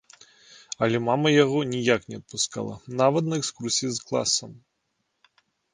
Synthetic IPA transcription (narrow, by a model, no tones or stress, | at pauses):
ɐlʲɛmamɐjaɣɔnʲijaknʲɛɐt̪̚puska̰lˠɐ̰navɐt̪nɐɛkskursʲijizklˠa̰sːɐm